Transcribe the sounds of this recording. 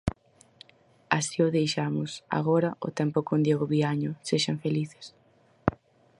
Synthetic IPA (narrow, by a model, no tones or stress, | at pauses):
asiʊðejʃamʊsa̰ɣɔɾɐʊ̰t̪ɛmpʊkond̪jeɣoβiaɲʊseʃaɱfeliθɪ̥s